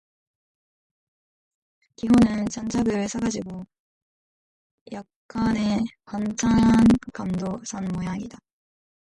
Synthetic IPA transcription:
kiɦʌnɯnt͡ɕant͡ɕʰaɡɯɭsʰaɡad͡ʑiɡo | jak̚k͈anekant͡ɕʰankamdosʰanmojaŋida

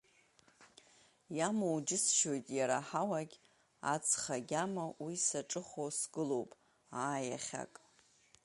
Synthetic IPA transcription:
jamowd͡ʒɪsʃo̞jtʼjaɾaħawaɡʲ | a̰t͡sʰʼχaɡʲamawisaʈ͡ʂʼɨχosɡɨlo̞wpʼ | aːja̰χʲa̰kʼ

